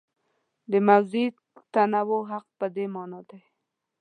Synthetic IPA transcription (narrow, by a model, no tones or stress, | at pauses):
d̪əmawzi | t̪anawoɦaq̚pəd̪emɑnɑd̪aj